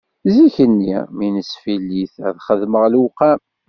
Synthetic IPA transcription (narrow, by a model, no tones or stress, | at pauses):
ziçənːḭminəsfilːiθæ̰ðχəðməʁlwqæ